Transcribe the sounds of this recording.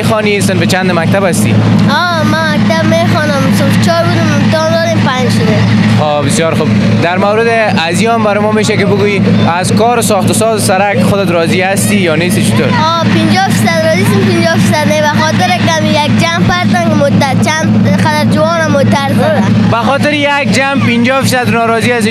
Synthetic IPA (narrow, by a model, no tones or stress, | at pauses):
exɔnisɪnfɪt͡ʃand̪ɪmak̚t̪abast̪ḭ | ɔ | mamak̚t̪abmexɔnʊmsɪnft͡ʃɔɾbud̪ɪmːʊmt̪ɔnd̪ɔd̪empand͡ʒʃʊd̪e | xobɪsjɔɾxub | d̪aɾmawɾɪd̪ɪ | aziambaɾɪmɔmeʃakɪbʊɡuji | azkɔːɾɪsɔxt̪ʊsɔzsaɾakxʊd̪ɪt̪ɾɔzihast̪ijɔnest̪it͡ʃɪt̪o̰ɾɔ | pind͡ʒɔfisad̪ɾɔzisinpind͡ʒɔfisad̪nebaxɔt̪ɪɾekamijak̚d͡ʒamfaɾt̪ankɪmot̪aɾt͡ʃan | qad̪aɾd͡ʒɪwɔnamot̪aɾd̪ɔɾabaxɔt̪ɪɾjak̚d͡ʒampind͡ʒɔfisad̪nɔɾɔziasi